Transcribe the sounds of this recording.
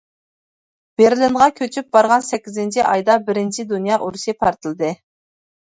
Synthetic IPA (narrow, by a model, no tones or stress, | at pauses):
b̥eɾlɪnʁɑkʲʰøt͡ʃʰyp̚bɑɾʁɑnsɛkʲːizɪnt͡ʃʰiʔɑjd̪ɑbɪɾɪnt͡ʃʰid̪unjɑʔuɾsepʰɑɾt̪ʰɨlˠɨd̪ɨ